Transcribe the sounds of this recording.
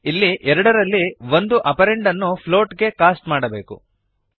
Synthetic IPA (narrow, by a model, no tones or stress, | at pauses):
ilːiʔɛɾɐɽɐɾɐlːiʋo̞nd̪uʔɐpɐɾeɳɖɐnːupʰlo̞ːʈɡe̞kaːsʈmaːɽɐbe̞ːkṵ